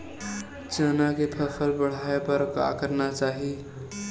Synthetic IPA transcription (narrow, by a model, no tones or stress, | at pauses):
d͡ʒaːnakepʰəpʰəlbəɽ̤aepəɾka̰kəɾnat͡ʃaːɦi